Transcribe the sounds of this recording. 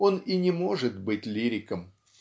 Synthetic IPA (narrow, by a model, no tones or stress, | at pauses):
o̞ninʲɪmo̞ʐɨt̪bɨtʲlʲiɾʲɪkəm